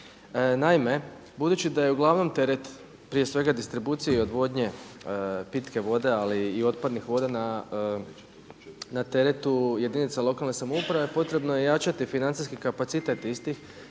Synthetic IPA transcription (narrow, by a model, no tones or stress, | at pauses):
naime̞ | bud̪uːt͡ɕid̪aje̞uɡlˠaʋno̞mt̪e̞ɾe̞t̪ | pɾije̞sʋe̞ɡad̪ist̪ɾibuːt̪sijeio̞d̪ʋo̞d̪ɲe̞ | pit̪ke̞ʋo̞d̪e̞aliːo̞t̪̚pad̪nixʋo̞d̪ana | nat̪e̞ɾet̪uje̞d̪init̪salˠo̞kalnesamoupɾaʋe̞po̞t̪ɾe̞bnojejat͡ʃat̪ifinant̪iskikapat̪sit̪e̞t̪ist̪ix